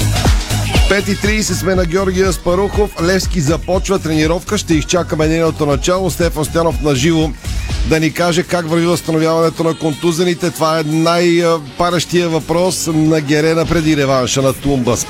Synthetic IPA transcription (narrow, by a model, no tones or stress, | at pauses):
pɛt̪it̪ɾiːsɛt̪smɛnɐɡʲɔɾɡʲiəspɐɾuxoflɛfskizɐpɔt͡ʃvɐt̪ɾɛniɾɔfkəʃt̪ɛixt͡ʃakəmɛd̪ɛnot̪onɐt͡ʃalˠost̪ɛfɐnst̪ojanofnɐʒivod̪ɐnikaʒɛkakvɐɾvivəst̪ɐnovʲjavɐnɛt̪onɐkont̪uzɛnit̪ɛt̪ovaɛnajpaɾəʃt̪ijəvɐpɾɔsnɐɡʲɛɾɛnəpɾɛd̪iɾɛvanʃənɐt̪umbəs